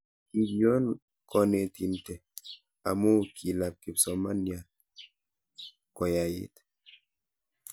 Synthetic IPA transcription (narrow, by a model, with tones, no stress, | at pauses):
i˨bjɔ˦n | kʰɔ˦ne˨ti˨ntɛ˨ | a̰˨mo˦˨kʰi˨la˨p̚ki˨psɔ˨ma˦nja˨l | kɔ˨ja˨jḛ˨t